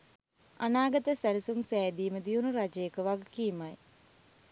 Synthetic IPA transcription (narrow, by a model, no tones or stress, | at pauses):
anaːɡət̪əsælisumsæːd̪iːməd̪iunuɾad͡ʒəjekəʋaɡkiːmaj